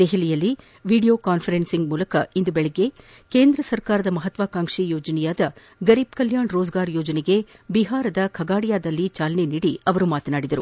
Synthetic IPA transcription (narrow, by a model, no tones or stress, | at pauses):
d̪̥eɦilijɐlːi | ʋiːɽijo̞ːkaːnpʰɐɾensiŋɡmuːlɐkɐind̪ubɛɭɛɡːe̞ | keːnd̪ɾɐsɐɾkaːɾɐd̪ɐmɐɦɐt̪ʋaːkaːŋʂijoːd͡ʒɐnɛjaːd̪ɐ | ɡɐɾiːb̚kɐljaːɳɾoːd͡ʒɡaːɾjoːd͡ʒɐneɡe̞biɦaːɾɐd̪ɐkʰɐɡaːɽijaːd̪ɐlːit͡ʃaːlɐneniːɽiɐʋɐɾumaːt̪ɐnaːɽid̪ɐɾu